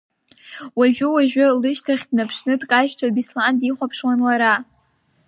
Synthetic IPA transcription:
waʒᶣʊwaʒᶣʊlɨʃtʰaχʲdnapʰʂnɨtʼkʼaʃtʷʰabislandiχʷapʰʂwanlaɾa

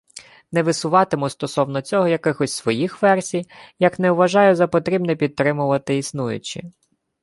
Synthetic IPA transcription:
nɛʋɪsʊʋɑt̪ɪmʊst̪ɔsɔwnɔt͡sʲɔɦɔjɐkɪxɔsʲsʋɔjixʋɛrsʲijjɐknɛwʋɐʒɑjʊzɐpɔt̪ɾʲibnɛpʲid̪̚t̪ːɾɪmʊʋɐt̪ɪisnujʊ̰t͡ʃɪ̰

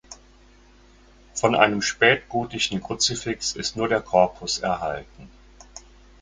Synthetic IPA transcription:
fɔnʔa̰ɪnəmʃpɛːtɡ̥uːtɪçn̩kʁ̥ʊt͡sɪfɪksɪstnuːɐɾeːɐkʰɔɐpʰʊsɛ̰ɐha̰ltn̩

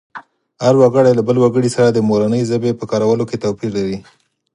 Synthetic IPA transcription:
haɾwaɡəɽajlabəlwaɡəɽisaɾad̪əmoɾanəjzəbepəkɑɾawəloket̪awpiɾlaɾi

